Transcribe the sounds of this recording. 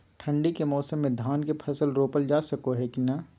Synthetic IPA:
ʈʰɐ̃ɳɖikemɔːsəmːẽd̪ʱaːnkepʰɐsəlɾoːpəld͡ʒaːsɐkoɦɛkinɐ

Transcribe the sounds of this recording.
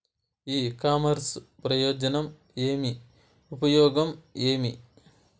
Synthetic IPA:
iːkaːmɐɾspɾɐjoːd͡ʒɐnɐm | eːmi | upɐjɔːɡɐmeːmi

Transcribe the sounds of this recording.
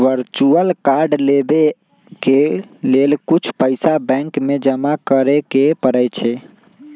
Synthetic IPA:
ʋəɾt͡ʃuəlkaɾɖlebe | kelelkut͡ʃʰpəɪsabɛ̃ŋkmed͡ʒəmakəɾɛkepəɾət͡ʃʰɛ

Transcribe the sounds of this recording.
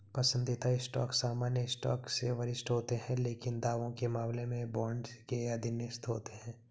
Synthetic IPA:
pɐsə̃nd̪it̪aɪsʈɔ̰ːksaːmaːnjəɪsʈɔ̰ːkseʋɐɾɪsʈɦoːt̪eɦɛ̃leːkɪnd̪aːʋõkemaːmlemẽbɔːɳɖkeɐd̪ʱɪnɪst̪ɦoːt̪eɦɛ̃ː

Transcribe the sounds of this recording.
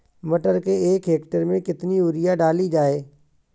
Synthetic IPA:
məʈəɾkeeːkɦeːkʈəɾmẽkɪt̪niʊɾɪjaɖaːlid͡ʒaːeː

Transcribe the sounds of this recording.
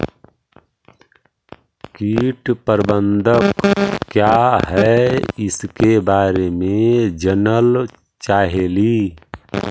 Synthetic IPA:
kiːʈpəɾbə̃nd̪ʱəkkːjaɦɛɪskebaːɾemẽd͡ʒənəl | t͡ʃaːɦeli

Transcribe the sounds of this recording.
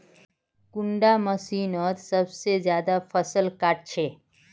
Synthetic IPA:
kʊ̃ɳɖaməsiːnɔːt̪səbsed͡ʒjaːd̪afʰəsəlkaːʈ̚t͡ʃʰeː

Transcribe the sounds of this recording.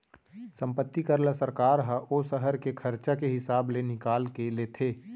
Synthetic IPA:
sə̃mpət̪ːikəɾlasəɾkaːɾɦəʔosəɦəɾkekʰəɾt͡ʃakeɦɪsaːblenɪkaːlkeleːt̪ʰeː

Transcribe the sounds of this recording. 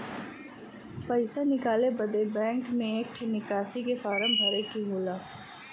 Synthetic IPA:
pəɪsanɪkaːlebəd̪ebɛ̃ːŋkmẽeːk̚ʈʰnɪkaːsikefaːɾə̃mbʱɐɾekiɦoːlaː

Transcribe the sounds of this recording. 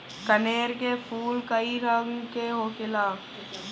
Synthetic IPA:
kəneːɾkepʰuːlkəiɾaːɡkeɦoːkɪlaː

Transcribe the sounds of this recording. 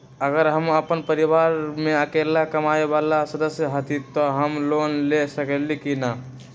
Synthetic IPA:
əɡəɾɦəməpənpəɾiʋaɾmeəkelakəmaebalasəd̪əsjəɦət̪it̪ɔɦəmlonlesəkelikina

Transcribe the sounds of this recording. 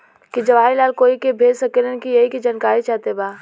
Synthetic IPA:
kid͡ʒɐʋaːilaːlkoːikebʱeːd͡ʒsəkelənkijɐɦikid͡ʒaːnkaːɾit͡ʃaːɦt̪ebaː

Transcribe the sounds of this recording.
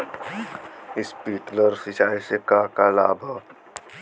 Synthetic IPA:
ɪspiːkləɾsɪt͡ʃaːisekakalaːbʱə

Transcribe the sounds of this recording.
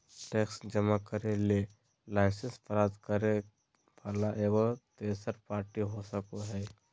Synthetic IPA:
ʈeksd͡ʒəmakəɾele | laɪsə̃nspəɾaːd̪kəɾe | ʋaːlaʔeːɡot̪eːsəɾpaːɾʈiɦosəkoɦɛː

